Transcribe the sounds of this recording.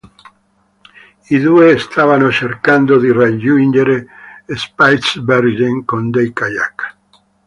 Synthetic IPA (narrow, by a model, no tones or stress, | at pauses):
iðueːst̪ʰavanot͡ʃeɾkand̪oðirad͡ʒund͡ʒeɾeespajt̪sbeɾʒeŋkond̪ejkaja̰kḁ